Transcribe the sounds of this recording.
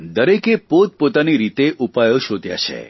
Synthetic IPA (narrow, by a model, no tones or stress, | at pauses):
d̪əɾekepot̪̚pot̪aniɾit̪eʔupajoʃod̪ʱja̰t͡ʃʰḛ